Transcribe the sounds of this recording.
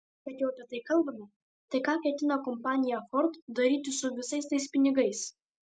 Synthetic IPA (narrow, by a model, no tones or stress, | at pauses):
kɐt̪jɛʊɐpʲɛt̪ɐɪkɐlˠbɐmʲɐ | t̪ɐɪkɑːkʲɛt̪ʲɪnɐkɔmpɑːnʲɪjɛxɔɾt̪d̪ɐɾʲiːt̪ʲɪsʊʋʲɪsɐɪst̪ɐɪspʲɪnʲɪɡɐɪs